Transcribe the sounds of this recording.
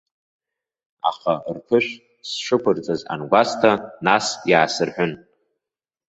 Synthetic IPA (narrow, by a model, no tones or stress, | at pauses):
a̰χarpʰɨʃʷᶣ | sʃɨkʷʰʊrt͡sʼaza̰nɡʷastʰanasjaːsɨrħʷᶣʊn